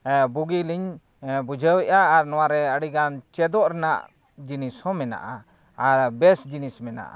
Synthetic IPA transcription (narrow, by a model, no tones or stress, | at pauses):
buɡiliɲ | bud͡ʒʱəwɛʔaːɾnɔwaɾɛəɽiɡant͡ʃɛd̪ɔʔɾɛna̰ʔ | d͡ʒinishɔ̃mɛna̰ʔa | aɾbɛsd͡ʒinismɛna̰ʔa̰